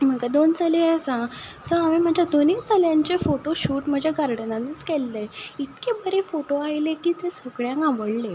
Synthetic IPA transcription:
m̤əkad̪ont͡saleəsãsəaʋim̤əd͡ʑʱjad̪onit͡saljãɲt͡ɕefoʈoɕuːʈm̤əd͡ʑʱjaɡaɾɽənanəskɛlːeit̪kebəɾefoʈoajlekiːt̪esəɡɭjãŋkaʋəɽle

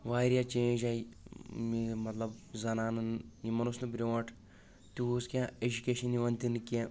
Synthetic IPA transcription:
ʋaːɾijat͡ʃeːd͡ʒaːimimɐt̪lɐbzɐnaːnɨnjimɐnusnɨbiɾʲoʋaːʈ | t̪uuskʲaed͡ʒukʲeːʃɐniʋɐnt̪ʲinɨkʲe

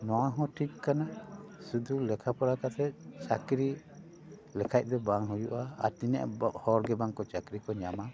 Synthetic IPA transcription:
nɔwaɦɔ̃ʈʰikːanasud̪ulɛkʰapɔɾakat̪ʰɛt͡ʃakɾi | lɛkʰac̚ˀd̪ɔbaŋɦujuʔa̰ːt̪inɛ̰ʔhɔɾɡɛbaŋkɔt͡ʃakɾikɔɲama

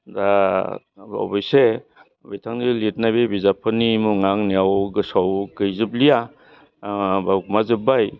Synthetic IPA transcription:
da | a̰bɔjse | bijtʰaŋdilit̚najbebizapʰɯnimuŋaŋniawɡɯsawkɯjziblija | bakmazɯbaj

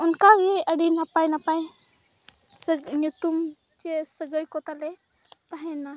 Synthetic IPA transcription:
unkaɡeʔəɽinapajnapaj | sənut̪um | t͡ɕesəɡəjkot̪ale | paɦĩna

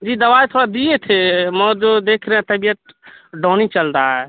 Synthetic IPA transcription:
d͡ʒiːd̪əʋajt̪ʰoɾad̪ijet̪ʰeməd͡ʒod̪ekʰɾɛɛ̃t̪əbijəʈ̪̚ | ɖɔːnit͡ʃəlɾaɦɛ

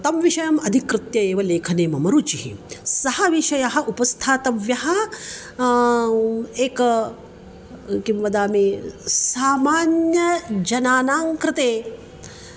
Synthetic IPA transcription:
t̪ɐmʋiʃɐjɐmɐd̪ʱikɾɨt̪jɐeːʋɐleːkʰɐneːmɐmɐɾuːt͡ʃihḭsɐhɐʋiʃɐjɐɦɐ̆ʔupɐst̪ʰaːt̪ɐʋjɐɦɐ | eːkɐ | kimʋɐd̪aːmeːsaːmaːnjɐd͡ʒɐnaːnaːŋkɾɨt̪eː

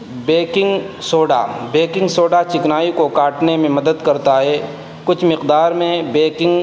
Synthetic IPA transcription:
beːkɪ̃ŋɡ | soːɖa̰beːkɪ̃ŋɡsoːɖat͡ʃɪknaːikokaːʈnemẽmɐd̪əd̪kɐɾt̪aɦɛː | kʊt͡ʃʰmɪqd̪aːɾmẽbeːkɪ̃ŋɡ

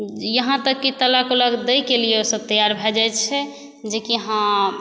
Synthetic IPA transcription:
jəɦãt̪əkːit̪əlakoləɡd̪əjkelijeosəb̚t̪əjaɾbʱɛd͡ʒajt͡ʃʰɛ | d͡ʒekiɦã

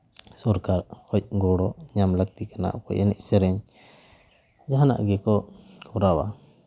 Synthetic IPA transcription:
sɔɾkaɾkʰɔc̚ˀɡɔɽɔɲamlak̚t̪ikana̰ʔkɔ̰ʔɛnɛ̰c̚sɛɾɛɲ | d͡ʒaɦana̰ʔɡɛkɔkʰɔɾawa

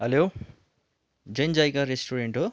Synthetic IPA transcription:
ɦelo | d͡zʌnd͡zajkaɾesʈuɾeɳʈɦo

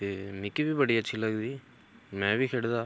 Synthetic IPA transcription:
t̪eːmɪkibiːbəɽiːətːʃʰiːləɡd̪iː | mɛ̃ːʋiːkʰeɽd̪aː

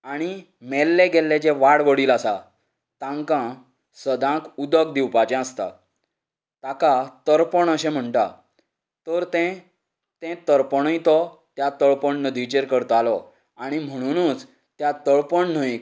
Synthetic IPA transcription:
aɽ̃i | mɛlːɛɡʱɛlːet͡ɕɛʋaɽʋəɽiːlasa | t̪ãŋkã | səd̪ʱãkud̪ək̚d̪iwpad͡ʑɛ̃əst̪a̰ | t̪akat̪əɾpəɳəɕɛ̃m̤əɳʈa | t̪əɾt̪ɛ̃ | t̪ɛ̃t̪əɾpəɳəjt̪ɔt̪jat̪əɭpəɳnəd̪ʱit͡ɕeɾkəɾt̪ɔalɔ | aɽ̃im̤əɽ̃uñũːt͡s | t̪jat̪əɭpəɳnəi

